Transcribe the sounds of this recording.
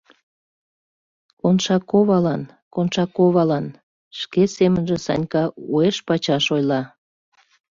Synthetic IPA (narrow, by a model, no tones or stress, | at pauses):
konʃɑkoβɑlɑn | konʃɑkoβɑlɑn | ʃkesemənʒesɑ̰nʲkɑueʃpɑt͡ɕɑʃojlɑ